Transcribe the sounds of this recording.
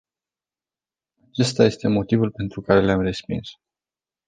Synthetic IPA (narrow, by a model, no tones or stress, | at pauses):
at͡ʃe̞st̪aje̞st̪e̞mo̞t̪ivulpe̞nt̪ɾukaɾe̞leamre̞spḭns